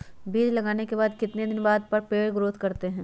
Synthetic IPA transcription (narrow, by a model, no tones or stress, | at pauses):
biːd͡ʒlɐɡaːnekebaːd̪kɪt̪ned̪ɪnbaːd̪̚pɐɾpeːɭɡɾoːt̪kɐɾt̪eɦɛ̃ː